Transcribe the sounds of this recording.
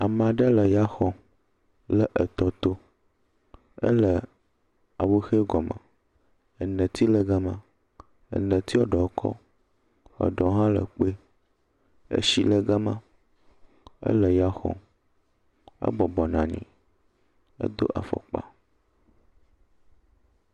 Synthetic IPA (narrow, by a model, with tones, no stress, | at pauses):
a˨mã˨ɖə˦lə˨ja˦xɔ̃˨ | lə˨ʔə˨t̪ɔ˨t̪o˦ | ə̰˦lə˨ | a˨wu˦xe˦ɡɔ˨mə̰̃˨ | ə˨nə̃˨t̪i˦lə˦ɡa˦mã˦ | ə̰˨nə̃˨t̪i˦wɔ˦ɖɔ˨˦kʰɔ̰˦ | ə̰˨ɖɔ˨˦ɦã˦lə̰˨k͡pe˦ | ḛ˨ʃi˦lə˦ɡa˦mã˦ | ə̰˦lə˨ja˦xɔ̰̃˨ | ə̰˦bɔ˨bɔ˨nã˨ɲḭ̃˨ | ə̰˦d̪o̰˦ʔa̰˨fɔ̰˨k͡pa̰˦